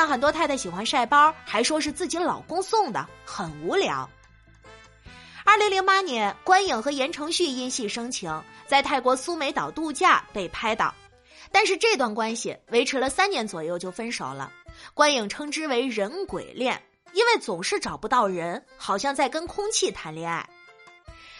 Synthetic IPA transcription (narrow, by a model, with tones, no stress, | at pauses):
ŋxə˨˩nt̪wt̪ʰa˥˧ɪd̪ə˥˩ɕi˨˩xwa˧˥nʂa˥˩ɪpɑ˥xa˧˥ɪʂwɔ˥ʂ̬ɻ̩˥˧t͡sɹ̩˥˩t͡ɕi˧˥lɑ˨˩ʊkʊ˥ŋsʊ˥˩ŋd̪ə̰˩xə˨˩nu˧˥ljɑ̰˧˥ʊ | ə˞˥˩li˧˥ŋli˧˥ŋpa˥njɛ˧˥nkwa˥ni˨˩ŋxɤ˧˥jɛ˧˥nʈ͡ʂʰɤ˧˥ŋɕy˥˧i˥˧nɕi˥˩ʂɤ˥ŋt͡ɕʰi˧˥ŋt͡sa˥˧ɪt̪ʰa˥˩ɪkwɔ˧˥su˥me˧˥ɪt̪ɑ˨˩ʊt̪u˥˧t͡ɕja˥˩pe˥˩ɪpʰa˥ɪt̪ɑ˥˩ʊ | t̪a˥˧nʂɻ̩˥˧ʈ͡ʂɤ˥˧t̪wa˥˩nkwa˥nɕḭ˨˩we˧˥ɪʈ͡ʂʰɻ̩˧˥lə˧sa˥nnjɛ˧˥nt͡swɔ˨˩jo˥˧ʊt͡ɕjo˥˩ʊfə˥nʂo˨˩ʊlə̰˦kwa˥ni˨˩ŋʈ͡ʂʰɤ˧˥ŋʈ͡ʂɻ̩˥we˧˥ɪɻə˧˥nkwḛ˨˩ɪljɛ˥˩n | i˥nwe˥˩ɪt͡sʊ˨˩ŋʂɻ̩˥˩ʈ͡ʂɑ˨˩ʊpu˧˥t̪ɑ˥˩ʊɻə˧˥nxɑ˨˩ʊɕjɑ˥˧ŋt͡sa˥˩ɪkə˥nkʰʊ˥ŋt͡ɕʰi˥˩t̪ʰa˧˥nljɛ˥˧ŋa̰˥˩ɪ